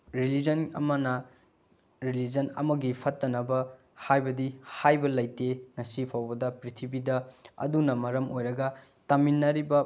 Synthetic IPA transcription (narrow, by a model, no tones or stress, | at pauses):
ɾilid͡ʒɐnɐ̰mɐnɐ | ɾilid͡ʒɐnɐ̰mɐɡipʰɐtːɐnɐbɐ | hajbɐdihajbɐlɐjteŋɐsipʰawbɐdɐpɾitʰibidɐɐ̰dunɐmɐɾɐmojɾɐɡɐ | tɐminːɐɾibɐ